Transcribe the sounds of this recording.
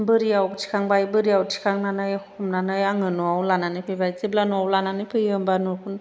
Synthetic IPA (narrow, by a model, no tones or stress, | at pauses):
bɯɾiawtʰi̥kʰaŋbajbɯɾijawtʰi̥kʰaŋnanɯjkʰumnanɯjaŋɯnuawlananɯpʰɯjbajzib̚lanuawlananɯjpʰɯjɯmbanuɾkʰun